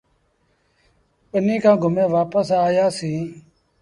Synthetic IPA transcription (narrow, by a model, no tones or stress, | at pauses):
pənĩːkʰãːɡʱʊmẽːʋaːpəsaːjaːsĩː